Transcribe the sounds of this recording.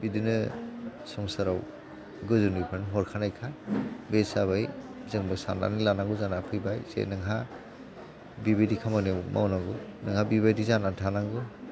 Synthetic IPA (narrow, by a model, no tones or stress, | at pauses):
bidinɯsɔŋsaɾaw | ɡɯzunipʰaɾnɦɔɾkʰanajkʰabesaβajzɯŋbɯsa̰nda̰nilanaŋɡuzanapʰɯjbajzḛnɯŋɦa | bibidikʰamanewmʔa̰wnaŋɡunɯŋhabibajdizanatʰanaŋɡu